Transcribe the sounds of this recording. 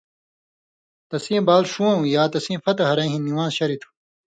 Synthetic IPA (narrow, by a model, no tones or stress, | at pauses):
t̪ɐsĩːbaːlʂũwɐ̃ũjaːt̪ɐsĩːfɐt̪ɐɦɐɾɐ̃ɦĩniwãːzɕɐɾit̪ʰu̥